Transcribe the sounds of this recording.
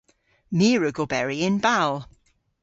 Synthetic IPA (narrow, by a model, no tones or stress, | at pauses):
miːɹəɡobɛɹiɪ̃nbalˠ